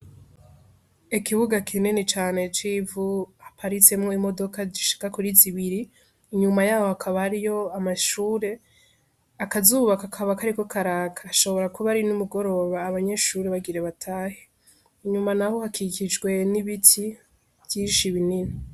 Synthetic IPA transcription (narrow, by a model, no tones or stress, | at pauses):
ikiβuɡakʰine̞nit͡ʃaːne̞t͡ʃivuhapʰaɾit͡se̞mŋo̞imo̞do̞kaziʃi̥kakuɾiziβiɾiː | ɲumajaːhohakʰaβahaɾijo̞amaʃuːɾe̞ | akazuːβakakʰaβakaɾiko̞kʰaɾakʰḁːʃo̞βo̞ɾakuβaɾinumuɡo̞ɾo̞ːβaːβaɲe̞ʃuːɾe̞βaɡiɾe̞βatʰaːhe | iɲumanaho̞hakʰikid͡ʒɡwe̞niβitʰi | vjiːnʃiβinini